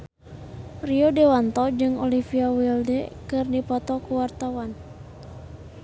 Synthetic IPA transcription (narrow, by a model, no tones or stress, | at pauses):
riodɛwant̪ɔd͡ʒɨŋɔlifiawildɛkɨrdipɔt̪ɔkuwart̪awan